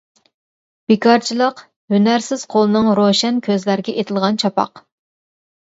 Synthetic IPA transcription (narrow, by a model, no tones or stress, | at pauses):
b̥ekʰɑɾt͡ʃʰilˠəq | hynæɾsɪz̥qʰolˠɨnɨŋɾoʃɛnkʲʰøzlæɾɡʲɛʔet̪ʰɪlˠʁɑnt͡ʃʰɑpɑ̰q